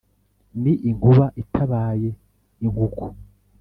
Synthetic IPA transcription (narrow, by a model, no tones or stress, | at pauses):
niʔiŋɡuβaʔitʰaβaːje̞ | iŋɡukʰu̥